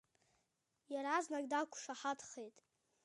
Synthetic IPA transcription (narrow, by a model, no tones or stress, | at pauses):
jaɾaznakʲʼdakʷʰʂaħatʰχejtʼ